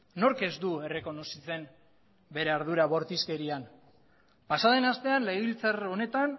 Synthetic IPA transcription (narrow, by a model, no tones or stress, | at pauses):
no̞ɾke̞zd̪ue̞re̞ko̞no̞sit͡se̞n | be̞ɾeaɾðuɾaβ̞o̞ɾt̪iske̞ɾian | pasað̞e̞nast̪e̞anlejβilt͡saro̞ne̞t̪an